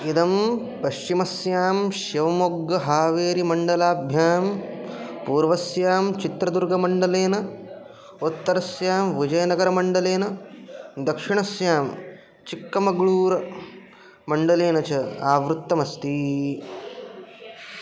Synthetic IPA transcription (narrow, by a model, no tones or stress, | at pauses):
id̪ɐm | pɐʃt͡ʃimɐsjaːmʃjɐʋɐmoɡːɐɦaːʋeːɾimɐɳɖɐlaːbʱjaːm | puːɾʋɐsjaːmt͡ʃit̪ɾɐd̪uɾɡɐmɐɳɖɐleːnɐ | ut̪ːɐɾɐsjaːmʋid͡ʒɐjɐnɐɡɐɾɐmɐɳɖɐleːnɐ | d̪ɐkʂiɳɐsjaːm | t͡ʃikːɐmɐɡɭuːɾɐ | mɐɳɖɐleːnɐt͡ʃɐaːʋɾut̪ːɐmɐst̪i